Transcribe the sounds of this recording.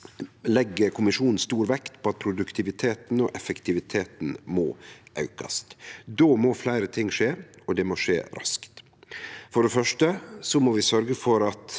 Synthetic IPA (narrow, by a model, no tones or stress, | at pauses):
lɛɡːəɾkʰʊmɪʂuːnn̩st̪uːɾʋɛkt̪pʰɔːɑt̪̚pʰɾʊd̪ʉkt̪ʰɪʋɪt̪ʰeːt̪n̩ɔʔɛfəkt̪ɪʋɪt̪ʰeːt̪n̩mo̰ːʔɑʉkɑ̰st̪d̪oːmoːflæɪɾət̪ʰɪŋːʂeːɔd̪ɛmoʂḛːɾʔɑ̰skt̪ | fɔɖɛfœʂʈəsɔmɔːʋɪsœɾɡəfɔɾɑt̪